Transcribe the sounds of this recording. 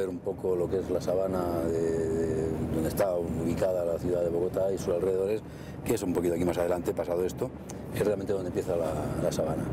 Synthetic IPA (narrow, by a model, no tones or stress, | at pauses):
eɾumpo̞kolo̞kezlasaβanaðeðed̪ond̪e̞st̪auβikaðalaθjuðaðe̞βo̞ɣot̪aisusalreðe̞ðo̞ɾe̞s | keesumpokit̪oakimasaðe̞lant̪epasaðoe̞st̪o | esrealmenond̪empje̞θalalasaβana